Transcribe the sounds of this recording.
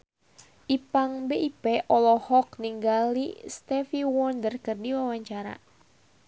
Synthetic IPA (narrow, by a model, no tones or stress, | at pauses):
ʔipaŋbeʔipɛʔɔlɔhɔkniŋɡalḭst̪ɛfiwɔndərkɨrdiwawaɲt͡ʃaɾa̰